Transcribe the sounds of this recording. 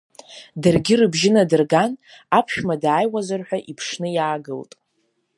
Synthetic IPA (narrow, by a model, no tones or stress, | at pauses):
dɨrɡʲɪrɨbʒɪnadɨrɡan | apʰʃᶣmadaːjwazarħʷᶣaʔipʰʂnɨjaːɡɨltʼ